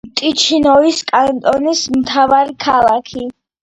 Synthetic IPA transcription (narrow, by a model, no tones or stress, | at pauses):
t̪ʼit͡ʃʰinɔiskʼant̪ʼɔnismt̪ʰavaɾikʰalˠakʰi